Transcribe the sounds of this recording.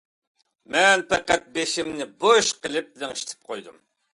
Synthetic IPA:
mɛnpʰɛqːæt̪̚beʃɪmnɪboʃqəlˠɪp̚lɪŋiʃt̪ʰɪ̥p̚qʰojd̪um

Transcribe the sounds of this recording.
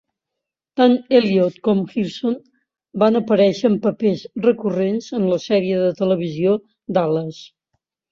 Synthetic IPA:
t̪aneliot̪kɔmxilson | banəpəɾɛʃəːmpəpezrəkurenzənləsɛɾiəðət̪ələβ̞izio | d̪aləs

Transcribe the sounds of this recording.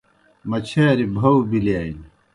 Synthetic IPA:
mɐt͡ɕʰaːɾibʱɐwbilijaːin

